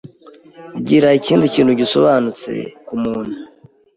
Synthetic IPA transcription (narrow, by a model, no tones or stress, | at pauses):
ɟiɾaiciːndiciːnhuɟiso̞̰βaːnut͡se̞̰kumuːn̤̥hu